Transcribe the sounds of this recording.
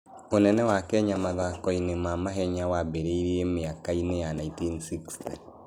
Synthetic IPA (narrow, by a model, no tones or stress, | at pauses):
onɛnɛwakɛɲamaðakɔinemamaɦɛɲawabeɾeiɾiemeakainejanaĩntinsikstɛ